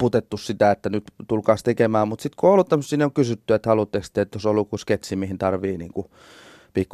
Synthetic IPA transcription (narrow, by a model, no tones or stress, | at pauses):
ut̪et̪ːussit̪æet̪ːænyt̪t̪ulkɑːst̪ekemæːmmut̪sit̪koeːˑolːut̪æmːsːiːneoŋkysyt̪ːyet̪hɑlut̪ːekst̪ːˑeet̪josolːukːusket̪simihint̪ɑrʋiːnḭːŋku | pikː